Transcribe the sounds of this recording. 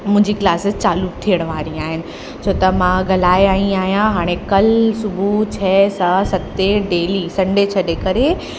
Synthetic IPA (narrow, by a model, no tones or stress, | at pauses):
mʊ̃ɦɪ̃ɲd͡ʑiklaːsɪzt͡ɕaːluk̚t̪ʰijəɽ̃ʋaːɾiaːɦɪnɪ̆ | t͡ɕʰoːt̪ɐmãɡʱɐlaːeaːĩaːɦijãɦaːɽ̃ekɐlsʊbʱut͡ɕʰɛːsɐsɐt̪eɖeːlisɐ̃ɳɖet͡ɕʰɐɗekɐɾe